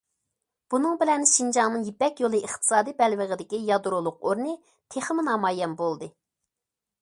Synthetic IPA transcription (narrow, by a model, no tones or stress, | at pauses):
b̥unɨŋbɪlɛnʃind͡ʒɑŋnɨŋjipɛkʲjolˠɨiχt̪ʰɨ̥sɑːd̪ibɛlwəʁɪd̪ɪkʲijɑd̪uɾulˠʊqoɾnɨ | t̪ʰeχmɪnɑːmɑːjɛmbolˠd̪ɨ